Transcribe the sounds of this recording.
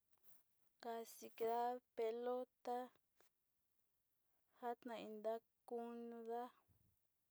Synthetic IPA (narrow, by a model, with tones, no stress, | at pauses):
ka˧si˧ke˧ða˦pe˧lo˦t̪a˦ | ha˦t̪nã˨˧i˧nd̪a˦ | ku˦nũ˧ða˦